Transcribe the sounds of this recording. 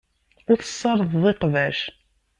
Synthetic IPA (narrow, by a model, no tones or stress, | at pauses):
ʊɾθə̥sˤːɑɾˤðˤðˤeqvæʃ